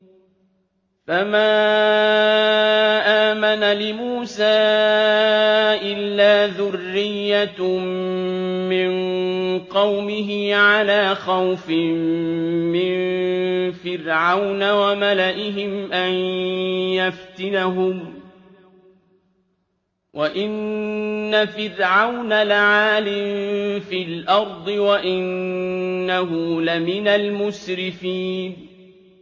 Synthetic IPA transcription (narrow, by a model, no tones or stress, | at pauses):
famaː | ʔaːmanalɪmuːsaː | ʔɪlːaːðʊrːɪjːa | mɪnqɑwmɪɦɪʕalaːxawfɪː | ɪn | fɪɾʕawnawamalaʔɪɦɪmʔan | jaft̪ɪnaɦʊm | wʔaʔɪnː | afɪrɾʕawnalɪʕaːlɪmfiːlʔɑɾˤd̪ˤɨwaʔɪnː | aɦʊlɪmɪnalmʊsɾɪfiːn